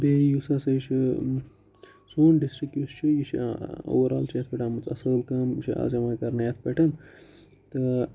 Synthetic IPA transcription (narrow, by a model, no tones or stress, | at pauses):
beːjusɐsɐjt͡ʃʰi | soːnɖisʈɾik̚just͡ʃʰijit͡ʃʰio̰ːwɐɾa̰ːlt͡ʃʰijɐt̪ʰpɐʈaːmɐt͡sɐ̰səːlkɐmt͡ʃʰia̰ːzɐmaːkɐɾnɐjɐt̪ʰpʲɐʈʰɐn | t̪ɨ